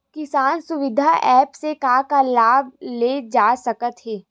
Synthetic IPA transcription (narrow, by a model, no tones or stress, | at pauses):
kɪsaːnsʊʋɪd̪ʱaʔɛːpsekaːkalaːb̚leːd͡ʒaːsɐkət̪ɦɛː